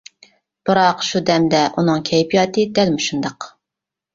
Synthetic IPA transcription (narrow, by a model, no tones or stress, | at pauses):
b̥ɨɾɑqʃud̪ɛmd̪ɛʔunɨŋkʲʰɛjpʰijɑːt̪ɨd̪ɛlmuʃund̪ɑq